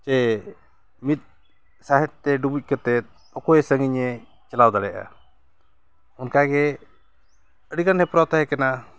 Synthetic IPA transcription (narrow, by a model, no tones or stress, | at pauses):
t͡ʃɛ | mit̪̚ˀ | saɦɛt̪t̪ɛɖubuc̚ˀkət̪ɛt̪̚ | ɔkɔɛsəŋɡiɲɛ | t͡ʃɛlawd̪aɽɛʔa̰ | ɔnkaɡɛ | əɖiɡanhɛpɾɔwt̪aɦɛkana